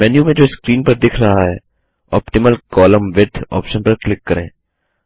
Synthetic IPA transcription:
mɛːnjũmẽd͡ʒoːskɾiːnpɐɾd̪ɪkʰɾɐɦaɦɛː | ɔ̰ːpʈɪməlkɔːləmʋɪʈɔ̰ːpʃənpɐɾklɪkːɐɾḛ̃ː

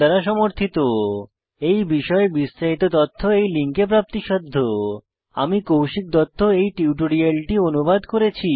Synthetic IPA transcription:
aɾaʃɔmoɾt̪ʰit̪o | ejbiʃɔebisːaɦit̪ot̪ɔt̪ʰːoejliŋkep̬ɾap̚t̪iʃɔd̪ʱːo | a̰mikowʃik̚d̪ɔt̪ʰːoejʈiuwʈoɽialʈionubad̪koɾet͡ɕʰi

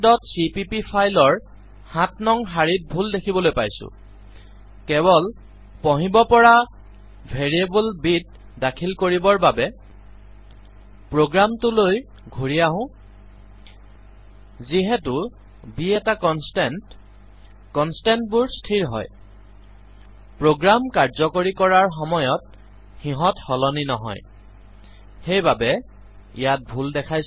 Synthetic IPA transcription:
dɔtsipipipʰajlɔɹ | hãtnɔŋɦaɹit̚bʱuldekʰibɔlojpajsʊ̰ | kɛβɔl | pɔɦĩbɔpɔɹa | bʱeɹiebulbit̚ | dakʰilkoɹibɔɹbabɛ | pɹoɡɹamtʊloj | ɡʱuɹijaɦʊ̃ | ziɦɛtʊ | biɛtakɔnstɛnt | kɔnstɛntbuɹstʰiɹɦɔ̰j | pɹoɡɹamkaɹzɔkoɹikɔɹaɹxɔmɔjɔt̚ | xĩɦɔthɔlɔninɔɦɔ̰j | xejbabɛ | ḭjat̚bʱuldɛkʰajs

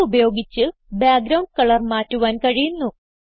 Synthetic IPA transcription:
ubɐjo̞ːɡit͡ɕːɨbjaːɡɾɐwɳɖkɐɭɐrmaːtːuʋaːnkɐɻijunːu

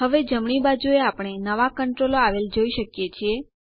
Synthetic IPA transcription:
ɦəʋed͡ʒəmɳ̃ibad͡ʒueapɽ̃enəʋakəɳʈɾoloaʋeld͡ʒoiʃəkjet͡ʃʰie

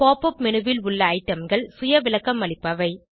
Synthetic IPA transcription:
poːpːɐpmɛnɯʋɪlʊɭːɐːɪʈːɐmɡɐɭsʊjɐʋɪlɐkːɐmʋɐɭɪpːɐʋɐɪ

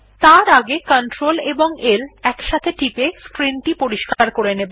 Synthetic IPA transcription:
t̪aɾaɡekɔɳʈɾoleboŋelɛkʃat̪ʰeʈipeskɾinʈipoɾiʃkaɾkoɾenebo

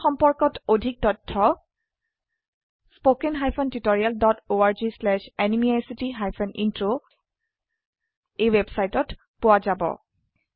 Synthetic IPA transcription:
xɔmpɔɹkɔtodʱik̚tɔtʰːɔ | spokɛnɦajpʰɔntitoɹialdɔtoaɹzislɛʃɛnimiajsitiɦajpʰɔnʔḭntɹo | ejwebsajtɔt | pʊwazabɔ̰

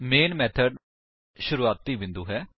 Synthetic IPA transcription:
meːnmɛːt̪ʰəɖ | ʃʊɾuːaːt̪ːiːbɪ̃nd̪uːɦɛː

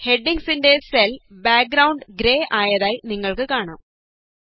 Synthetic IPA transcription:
he̞ɖːiŋsinde̞selbaːk̚ɡɾɐwɳɖɨɡɾeːʔaːjɐðaːjiniŋːɐɭkɨkaːɳa̰ːm

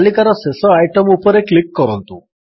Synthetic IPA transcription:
likaɾɔsesɔajʈɔmupɔɾeklikːɔɾɔnt̪u

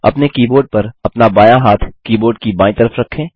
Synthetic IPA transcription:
ɐ̰pnekiːboːɾɖ̚pɐɾɐpnabaːjaɦaːt̪ʰkiːboːɾɖkibãːɪ̃t̪ɐɾəfɾɐkʰːẽː

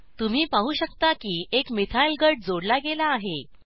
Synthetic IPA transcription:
t̪um̤iːpaɦuːɕəkt̪akiːʔekmit̪ʰailɡəɖ̚d͡zoɽlaɡelaːɦe

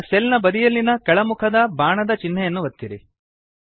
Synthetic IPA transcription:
selnɐbɐd̪ijɐlːinɐkɐɭɐmukʰɐd̪ɐbaːɳɐd̪ɐt͡ʃinːɛjɐnːuʋɐt̪ːiɾi

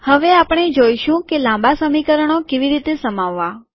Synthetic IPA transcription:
həʋeapəɳ̃ed͡ʒoiʃũkelãmbasəmikəɾəɳ̃okeʋiɾit̪esəmaʋːa

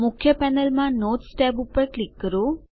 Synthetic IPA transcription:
mʊkʰjəpɛːnəlmãnoːt̪sʈɛːpupːəɾʈlikːəɾu

